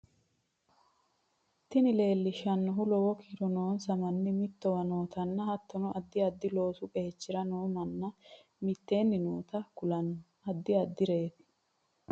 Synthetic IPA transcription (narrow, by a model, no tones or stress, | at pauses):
t̪ɪnɪle̞ːlːɪʃɐnːɔɦʊlɔwɔkiɾɔnoːnsɐmɐnːɪmɪt̪ːɔwɐnoːt̪ɐnːɐhɐt̪ːɔnɔʔɐd̪ːɪɐd̪ːɪlo̞ːsʊkʼeːɛt͡ʃːɪɾɐnoːmɐnːɐ | mɪt̪ːe̞ːnːɪnuːt̪ɐkʊlɐnːɔ | ɐd̪ːɪɐd̪ːɪɾe̞ːt̪ɪ̥